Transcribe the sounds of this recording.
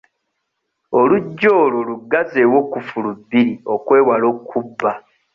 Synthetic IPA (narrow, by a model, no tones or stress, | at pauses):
oluɟːo̞ːlo̞luɡːazewo̞kufulubːiɾio̞kwe̞ːwalo̞kʰːubːa